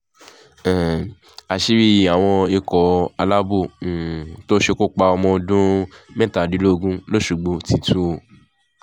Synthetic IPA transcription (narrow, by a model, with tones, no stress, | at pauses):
ɛ̃˨ | a˨ʃi˦ɾi˧˨a˨w̃ɔ̃˧e˧kɔ˨a˧la˦bõ˦˨to˦ʃe˧ko˦k͡pa˧ɔ˧mɔ̃˧o˧dũ˦mɛ̃˦ta˨di˨˦lo˦˧ɡũ˦lo˦ʃu˨ɡ͡bo˨˦ti˨˦tʰũ˦o˧